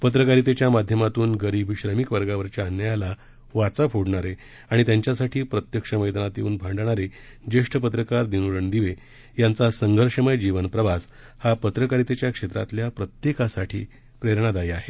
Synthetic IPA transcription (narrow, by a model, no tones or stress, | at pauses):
pət̪̬ɾəkaɾit̪et͡ɕjamad̪ʱjəmat̪uːnɡəɾibʱɕɾəmikʋəɾɡaʋəɾt͡ɕjaənjəjala | ʋat͡sapʰoɽɳaɾe | aɽ̃it̪jaɲt͡ɕjasaʈʰiːpɾət̪jəkʂəməjd̪anat̪jeuːnbʱaɳɖɳ̃aɾe | d͡ʑeʂʈʰəpət̪ɾəkaɾd̪inuɽəɳd̪iʋe | jant͡sasəŋɡʱəɾʂəməjd͡ʑiʋənpɾəʋas | hapət̪ɾəkaɾit̪et͡ɕjakʂet̪ɾa̰t̪ljapɾət̪jekasaʈʰiː | pɾeɾɳ̃ad̪ajaɦe